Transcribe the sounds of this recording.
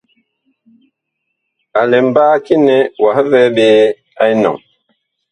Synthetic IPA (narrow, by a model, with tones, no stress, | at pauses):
a˨lɛ˨m̩˨baː˦ki˦nɛ˦wa˨hvɛ˦ɓeː˦ | a˦i˦nɔ̰˨ŋ